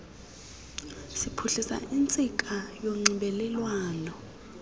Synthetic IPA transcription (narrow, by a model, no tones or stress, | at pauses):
sipʰuɬisa̰int͡sʼik̬ʼajoŋ͡ǀiɓɛlɛlwaːnɔ